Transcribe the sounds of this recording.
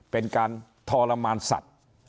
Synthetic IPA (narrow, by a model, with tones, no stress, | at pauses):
pe˧nkaː˧nt̪ʰɔː˧la˧maː˧nsa̰˨˩t̪̚